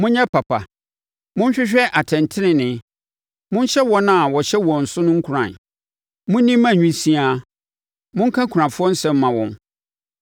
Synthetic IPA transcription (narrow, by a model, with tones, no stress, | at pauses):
mʊ̃˦ɲɛ̃˦pʰa˨pʰa̰˨ | mʊ̃˦n˦ɕᶣɪ˦ɕᶣɛ˦ʔa˨tʰɛ̃˨ntʰɪ˦nɪ̃˨nɪ̃˨ | mʊ̃˦n˦ɕɛ˦wɔ˦nã˦˨wɔ˨ɕɛ˦wɔ̃˨n̩˨sʊ˦nʊ̃˦ŋ̩˦kʰu˨ɾã̰˨n | mʊ̃˦n˦nĩ˦mːã˦˨ɲᶣĩ˦sĩ˦a˦ | mʊ̃˦ŋ̩˦kʰã˦kʰu˨ɾã˨fʊ˦ɔ˦n̩˦sɛ̃˦m̩ː˦ã˨wɔ̃˨n